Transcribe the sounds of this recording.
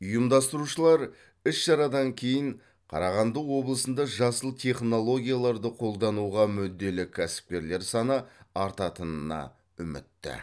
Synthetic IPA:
ʊjəmd̪ɑst̪əɾuʃəlˠɑɾ | ʏsʃɑɾɑd̪ɑŋkʲʰe̞jɪɴ | qʰɑ̰ɾɑʁɑnd̪əwwo̞blˠəsənd̪ɑʒɑsəlˠt̪ʲʰe̞χno̞lˠo̞ɡʲijalˠɑɾd̪əqʰo̞lˠd̪ɑnuʁɑmʏd̪ːe̞lɪkʲʰːæsɪ̥p̚kʲe̞ɾle̞ɾsɑnəɑɾt̪ɑt̪ənənɑ̰ | ʏmɪ̰t̪ːɪ̰

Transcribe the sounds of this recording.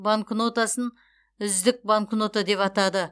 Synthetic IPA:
baŋknot̪asən | ʏzd̪ɪk̚baŋknot̪ad̪e̞pɑt̪ɑd̪ə

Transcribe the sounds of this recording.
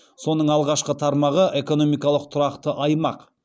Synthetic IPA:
so̞nəɴɑlˠʁɑʃqət̪ʰɑɾmɑʁəʔe̞ko̞no̞mijkɑlˠəq̚t̪ʰʊɾɑqt̪əʔɑjmɑq

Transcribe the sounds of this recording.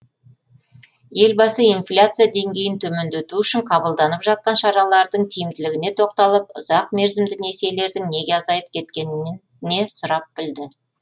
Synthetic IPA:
je̞lbɑsəinflʲat̪sɨjad̪e̞ŋɡʲe̞jɪnt̪ʰɵme̞nd̪et̪uʏʃɪɴqʰɑbəlˠd̪ɑnəpʒɑt̪̚qɑnʃɑɾɑlˠɑɾd̪əɴt̪ʰijɪmt̪ɪlɪɡʲɪne̞t̪ʰo̞q̚t̪ɑlˠəp̚ʊzɑq̚me̞ɾzɪmd̪ɪne̞se̞le̞ɾd̪ɪŋne̞ɡʲe̞ɑzɑjəp̚kʲʰe̞t̪̚kʲe̞n | ne̞sʊɾɑp̚bɪld̪ɪ

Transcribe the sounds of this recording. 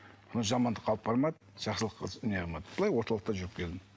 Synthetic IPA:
bonʒɑmɑnd̪əqʰːɑlˠəpbɑɾmɑd̪ | ʒ̥ɑχsəlˠəqʰːəneʁɑmɑd̪b̥əlˠɑjwo̞ɾt̪ɑlˠəqt̪ɑʒʏɾɪp̚kʲʰe̞ld̪ɪm

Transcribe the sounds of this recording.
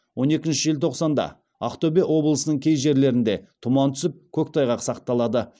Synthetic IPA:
wʔo̞ne̞kʲɪnʃɪʒeɪlt̪ʰo̞qsɑnd̪ɑ̰ | a̰χt̪obewo̞blˠəsənəɴkʲʰe̞jʒe̞ɾle̞ɾɪnd̪e̞t̪ʰʊmɑnt̪ʰʏ̥sɪp̚kʲʰɵkʲt̪ʰɑjʁɑqsɑqt̪ɑlˠɑd̪ə

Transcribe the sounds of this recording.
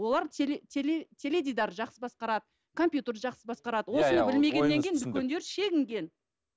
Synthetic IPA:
wo̞lˠɑɾt̪elt̪ʲʰelet̪ʲʰe̞lʲe̞d̪ʲid̪ɑɾʒɑqsəbɑsqɑɾɑd̪ə | kʰo̞mpjut̪erʒɑqsəbɑsqɑɾɑd̪əwo̞sənəbɪlme̞ɡʲeːe̞ŋkʲejɪnbʏkʲʰend̪e̞ɾʃe̞ɡʲɪŋɡʲe̞n

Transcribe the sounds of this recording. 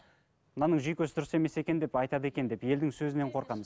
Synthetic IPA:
mnɑnəɴʒijkʲɵsd̪ʊɾəse̞me̞se̞kʲe̞nd̪e̞pɑjt̪ɑd̪əe̞kʲe̞nd̪e̞pje̞ld̪ɪŋsɵzɪne̞ɴqʰo̞ɾqɑməz

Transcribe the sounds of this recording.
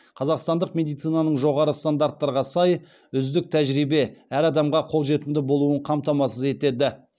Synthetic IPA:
qʰɑzɑqst̪ɑnd̪əqmʲe̞d̪ijt̪sijnɑnəɴʒo̞ʁɑɾəst̪and̪aɾt̪ːɑɾʁɑsɑj | ʏzd̪ɪk̚t̪ʰæʒɾijbe̞æɾɑd̪ɑmʁɑqʰo̞lˠʒe̞t̪ɪmd̪ɪbo̞lˠuəɴqʰɑmt̪ɑmɑsəze̞t̪e̞d̪ɪ

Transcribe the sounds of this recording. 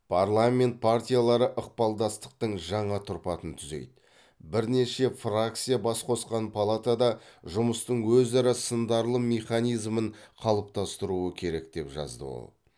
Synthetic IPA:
pʰarlˠamʲe̞nt̪̚pʰart̪ʲijalˠɑɾəʔəq̚pɑlˠd̪ɑst̪ə̥q̚t̪əɴʒɑɴɑt̪ʰʊɾpɑt̪ənt̪ʰʏze̞̰jd̪ɪ | bɪɾne̞ʃe̞frak̚t̪sijabɑsqʰo̞sqɑnpʰalˠat̪ad̪ɑʒʊməst̪əɴwɵzɑɾɑsənd̪ɑɾlˠəme̞χanijzməɴqʰɑlˠəp̚t̪ɑst̪əɾuəkʲʰe̞ɾe̞kt̪e̞pʒɑ̰zd̪ə̰wo̰lˠ

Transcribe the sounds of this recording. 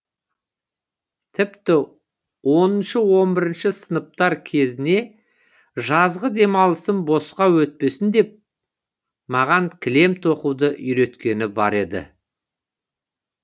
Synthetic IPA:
t̪ʰɪpt̪ɪ | wo̞nənʃəwo̞mbɪɾɪnʃɪsənəp̚t̪ɑɾkʲʰe̞zɪne̞ | ʒɑzʁəd̪e̞mɑlˠəsənbo̞sqɑwɵt̪̚pe̞sɪnd̪e̞p̚ | mɑʁɑŋkʲʰɪle̞mt̪ʰo̞qud̪əʔʏjɾe̞t̪kʲe̞nɪbɑ̰ɾe̞d̪ɪ̰

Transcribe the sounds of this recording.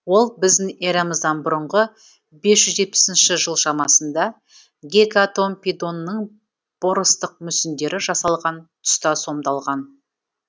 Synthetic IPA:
wo̞lˠbɪzd̪ɪŋeɾɑməzd̪ɑnbʊɾəɴʁə | be̞sʒʏzʒe̞t̪̚pɪ̥sɪnʃɪʒəlˠʃɑmɑsənd̪ɑ | ɡʲekat̪o̞mpid̪o̞nːəɴ | b̥oɾəst̪əq̚mʏsɪnd̪e̞ɾɪʒɑsɑlˠʁɑnt̪ʰʏ̥st̪ɑso̞md̪ɑlˠʁɑn

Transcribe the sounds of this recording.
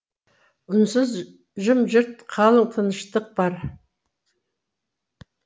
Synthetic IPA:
ʊnsəz | ʒəmʒəɾt̪qʰɑlˠəɴt̪ʰənəʃt̪əq̚b̥ɑɾ

